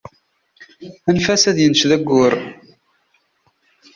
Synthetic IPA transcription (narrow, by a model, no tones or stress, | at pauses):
ænfæsæðjənʃðæɡːʊɾ